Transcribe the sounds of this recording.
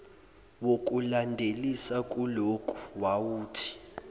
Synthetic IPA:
wok̬ʼulandʱelisak̬ʼulokʼu̥wawuːtʰi̥

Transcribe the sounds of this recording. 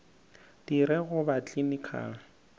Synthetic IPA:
d̥iɾɛɣʊbat͡ɬʼinikʰa̰ːl̩

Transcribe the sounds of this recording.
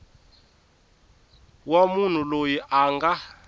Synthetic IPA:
wamun̤ulojiʔaŋɡa

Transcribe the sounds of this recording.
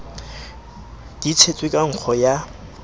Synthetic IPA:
dit͡sʰet͡sʼwekʼaŋ̩k͡xʰɔja

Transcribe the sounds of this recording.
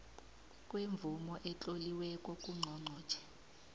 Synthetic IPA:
kʼweɱb̪vumɔʔɛt͡ɬʼoliwɛkʼɔkʼuŋ͡ǀʱɔŋ͡ǀʱɔ̥ːt͡ʃʰɛ̥

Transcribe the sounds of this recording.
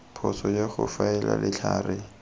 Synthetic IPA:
pʰɔsɔjeχʊfaɛla̰lɪt͡ɬʰaːrɪ

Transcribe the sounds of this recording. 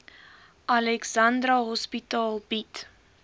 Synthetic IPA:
ʔɐlɛksɐndrɐɦɔspitɑːlˠbit

